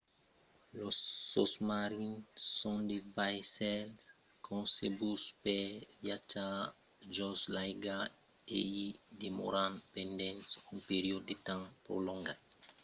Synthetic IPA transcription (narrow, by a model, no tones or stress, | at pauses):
losːosmaɾĩnsõnd̪evajsɛls | kʰõsebuspevjat͡ʃa | d͡ʒɔslajɡa | ed̪emo̰ɾãnpẽnd̪ẽnsuŋpeɾiodd̪et̪ãŋpɾo̰lõŋɡat̪̚